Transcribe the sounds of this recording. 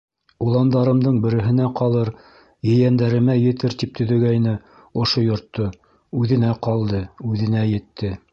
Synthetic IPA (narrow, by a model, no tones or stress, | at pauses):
ulˠɑnd̪ɑɾɤ̆md̪ɤɴbɘ̆ɾɘ̆ɦɘ̆næqɑlˠɤɾ | jɘ̆jænd̪æɾɘ̆mæjɘ̆t̪ɘɾt̪ip̚t̪ɵ̆ðɵ̆ɡæjnɘ | ŏʃojŏɾt̪ːo | ʉðɘ̆næqɑlˠd̪ɤʉðɘ̆næjɘ̆t̪ːɘ